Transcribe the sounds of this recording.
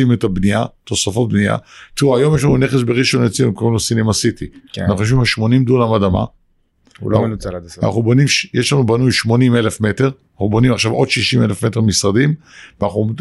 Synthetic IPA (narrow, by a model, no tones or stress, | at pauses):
imetabniat̪o̞safabnia̰t̪iuajo̞mjeʃ̬lanuneχesbeʁiʃonet͡siukolmnosinimasitianaχuoʃ̬vimhaʃmo̞nimdulamadama̰ | ṵlomenuaana̰χnubonimʃjeʃlanubanujʃmo̞nime̞lefme̞teʁ | naχubo̞nimaχʃavo̞dʃiʃime̞lefme̞teʁmisʁadimvanaχu